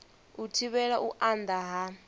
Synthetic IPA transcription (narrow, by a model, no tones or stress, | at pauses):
utʰiβɛɺaʔuʔand̪aɦa